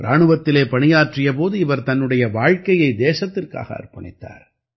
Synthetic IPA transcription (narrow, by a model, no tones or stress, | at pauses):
ɾaːɳɯʋɐt̪ːɪleːpɐɳɪjaːʈrɪjɐp̬oːðɯɪʋɐɾt̪ɐnːɯɽɐjɐʋaːɻkɐjɐɪd̪eːsɐt̪ːɪrka̰ːɣɐ̰ɐ̰rpːɐɳɪ̰t̪ːa̰ːɾ